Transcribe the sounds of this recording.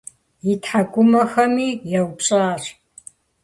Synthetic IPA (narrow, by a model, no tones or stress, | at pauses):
jitʰħaɡʷʊmɐxɐmiːjawt͡ʃʼaːr